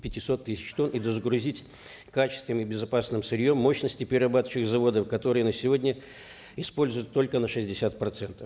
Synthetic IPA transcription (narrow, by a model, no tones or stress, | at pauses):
pʲɪtʲɪsot̪ːɨsʲɪ̥t͡ɕt̪o̞nid̪əzəɡɾʊzʲitʲ | kat͡ɕɪst̪vʲɨmɪbʲɪzɐpasnɨmsɨɾʲjo̞mːo̞ɕnəsʲtʲɪpʲɪɾʲɪrɐbat̪ə̥t͡ɕɪɨxzɐvo̞d̪əfkɐt̪o̞ɾɨjənəsʲɪvo̞dʲnʲə | ɪspo̞lʲzʊjʊt̪ːo̞lʲkənəʂɨzʲdʲɪsʲat̪̚pɾɐt̪sɛnt̪ə̥f